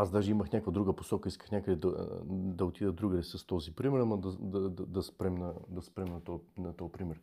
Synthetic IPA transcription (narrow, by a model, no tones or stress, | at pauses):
azd̪aʒɛiməxnʲakvɐd̪ɾuɡəposɔkəiskə̥xnʲakəd̪ɛd̪ɐd̪ɐot̪id̪əd̪ɾuɡəd̪ɛsəst̪ɔzipɾimɛɾmɐd̪ɐd̪ɐd̪d̪ɐspɾɛmnɐd̪ɐspɾɛmnɐt̪ɔnɐt̪ɔjpɾimɛɾ